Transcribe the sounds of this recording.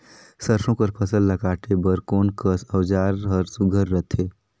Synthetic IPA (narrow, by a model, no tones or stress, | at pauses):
səɾsõpəɾpʰəsəlːəɡaːʈebəɾkoːnkəsəːd͡ʒaːɾɦəɾsuɡʱəɾːət̪ʰeː